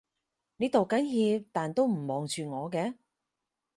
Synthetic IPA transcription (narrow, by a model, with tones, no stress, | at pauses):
neː˨˥t̪o˨wkɐ˨˥nɦiː˧p̚t̪aː˨nt̪o˥wm̩˨˩mɔː˨˧ŋt͡ʃyː˧ŋɔː˨˧kɛː˧